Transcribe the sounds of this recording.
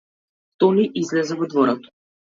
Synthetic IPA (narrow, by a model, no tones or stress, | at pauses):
t̪ɔniʔizlɛzɛvɔd̪vɔɾat̪ɔ̥